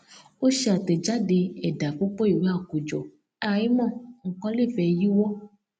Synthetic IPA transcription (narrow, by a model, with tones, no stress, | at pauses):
o˦ʃe˧a˨tɛ˨d͡ʒa˦de˧ɛ˨da˨k͡pu˦k͡pɔ˦i˨ɾĩ˨˦a˦˨ku˨d͡ʒɔ˨ | a˦˨ĩ˦mɔ̃˦˨ŋ̩˦kɔ̃˦le˦˨fɛ˧ji˦wɔ˦